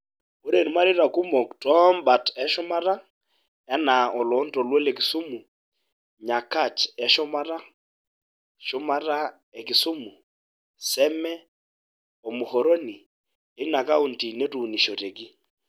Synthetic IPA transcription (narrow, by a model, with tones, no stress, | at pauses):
o˦ɾe˨n˨ma˦ɾɪ˦ɾa˨ku˦mɔ˨ktɔ˦mba˨tɛ˦ʃʊ˦ma˦ɾa˦ | ja˦na˨ɔ˨lɔ˨˦ntɔ˨lwɛ˦le˨kɪ˨su˦mu˨ | ɲa˨ka˦˨t͡ʃɛ˦ʃɔ˦ma˦ɾa˦ | ʃʊ˦ma˦ɾa˦ | ɛ˨kɪ˨su˦mu˨ | sɛ˦mɛ˦ | ɔ˨mʊ˨ho˨ɾo˦ni˨ | e˦na˨ka˦u˨nti˨ne˦tu˨ni˨ʃo˨te˨ki˦